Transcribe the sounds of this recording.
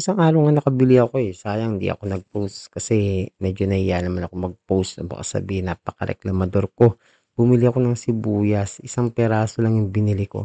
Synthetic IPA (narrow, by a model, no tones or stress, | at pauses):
ʔɪsaŋʔaːɾɐwŋanɐkɐbɪlɪɐko̞ɛsaːjɐŋɪnd̪ḭʔɐ̰ko̞nɐɡ̚powst̪kɐsɛmɛd͡ʒo̞nɐhɪjanɐmanɐko̞mɐɡ̚powst̪ɐbɐ̰ka̰sɐ̰biːhɪnːapɐkɐɾɛ̰klɐmɐd̪o̞ɾko̞ | b̥ʊmɪliɐko̞nɐŋsɪbuːjɐsʔɪsaŋpɛɾaːsolɐŋjʊŋbɪnɪlɪko̞̰